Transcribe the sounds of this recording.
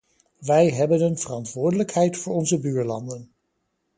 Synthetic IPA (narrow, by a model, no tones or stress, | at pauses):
ʋɛjɦɛbənənvərɑntʋʊːɹdələkɦɛjtfʊːɹɔnzəbyːɹlɑ̰ndən